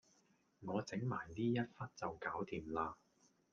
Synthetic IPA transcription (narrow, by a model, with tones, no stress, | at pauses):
ŋɔː˨˧t͡sɪ˨˥ŋmaː˨˩jt̪iː˥jɐ˥t̚fɐ˥t̚t͡sɐ˨wkaː˨˥wt̪ʰiː˨˩mlaː˧